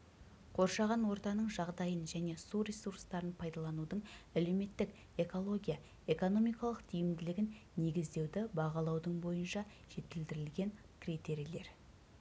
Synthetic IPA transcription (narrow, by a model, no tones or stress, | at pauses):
qʰo̞ɾʃɑʁɑnwo̞ɾt̪ɑnəɴʒɑʁd̪ɑjənʒæne̞suɾesurst̪ɑɾənpʰɑjd̪ɑlˠɑnud̪əɴæle̞wme̞t̪ːɪk | e̞ko̞lˠo̞ɡʲijɑ | e̞ko̞no̞mijkɑlˠəqt̪ʰijɪmd̪ɪlɪɡʲɪnːe̞ɡʲɪzd̪e̞wd̪ɪbɑʁɑlˠɑwd̪əɴbo̞jənʃɑ | ʒ̥e̞t̪ɪld̪ɪɾɪlɡʲe̞ŋ | kʲʰrit̪e̞ɾijle̞ɾ